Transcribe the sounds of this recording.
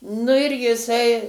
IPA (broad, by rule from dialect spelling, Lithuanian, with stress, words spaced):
ˈnʊ ɪr jɪˈsɐɪ